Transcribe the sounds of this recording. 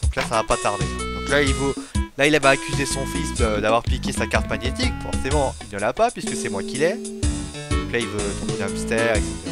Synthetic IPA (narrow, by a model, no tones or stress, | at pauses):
d̪̥ɔ̃klasavapat̪aʁd̪ed̪̥ɔ̃klailvølailavaːkʲyzesɔ̃fisd̪əd̪avwaʁplikʲesakaʁt̪maɲjet̪ikfɔ̰ʁsemɑ̃ilnəlapapɥiskəsɛmwakʲilɛ | d̪ɔ̃klailvøt̪ɔ̃penãmst̪ɛʁɛkset̪eʁa